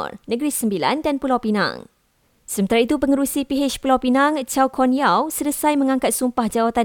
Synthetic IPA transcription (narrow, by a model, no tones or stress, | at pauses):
rnə̃ɡɾisəmbila̰ndanpulawpinã̰ŋ | səmənt̪aɾait̪upəŋəɾusipiɦet͡ʃpulawpinãŋt͡ʃawkʰɔnijawsələsajmə̃ŋãŋkat̪̚sumpahd͡ʒawat̪a